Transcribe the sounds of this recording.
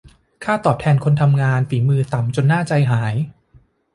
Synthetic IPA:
kʰaː˥˩t̪ɔː˨˩p̚t̪ʰɛː˧nkʰo˧nt̪ʰa˧mŋaː˧nfiː˩˦mɯː˧t̪a˨˩mt͡ɕo˧nːaː˥˩t͡ɕa˧jɦaː˩˦j

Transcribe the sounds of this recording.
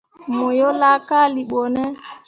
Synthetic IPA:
mo˨jo˦la˦ka˦˨li˨ɓo˨nɛ˦

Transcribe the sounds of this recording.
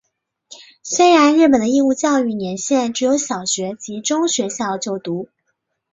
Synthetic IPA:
swɛ˥ɻa˧˥nɻɻ̩˥˩p̬ə˨˩nd̪ə˦i˥˧ŋu˥˧t͡ɕjɑ˥˧ʊy˥˩njɛ˧˥nɕjɛ˥˩nʈ͡ʂɻ̩˧˥jo˧˥ʊɕjɑ˨˩ʊɕɥɛ˧˥t͡ɕi˧˥ʈ͡ʂʊ˥ŋɕɥɛ˧˥ɕjɑ˥˧ʊt͡ɕjo˥˩ʊt̪u˧˥

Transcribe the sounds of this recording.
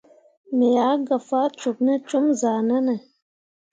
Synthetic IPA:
me˨ja˨˦ɡa˨fa˦t͡ʃu˨knə˦t͡ʃu˦mzaː˨na˦ne˨

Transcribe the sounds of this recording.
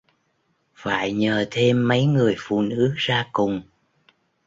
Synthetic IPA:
fa̰ː˧˨jɲəː˨˩t̪ʰe˧mːə˨˦jŋɨ˨˩əjfṵ˧˨nɨ˨˦zaː˧kʊ˨˩ŋ͡m

